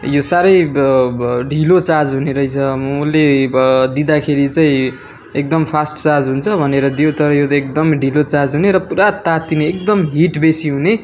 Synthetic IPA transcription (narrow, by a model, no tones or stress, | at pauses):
josaɾʌj | ɖʱilot͡sad͡zɦuneɾʌjt͡sʰʌulːed̪id̪akʰeɾit͡sʌĩ | ek̚d̪ʌmpʰasʈt͡sad͡zɦunt͡sʰʌbʱʌneɾʌd̪ijot̪ʌɾʌjot̪ekd̪ʌmɖʱilot͡sad͡zɦuneɾʌpuɾat̪at̪̚ːineːk̚d̪ʌmɦiʈbesiɦune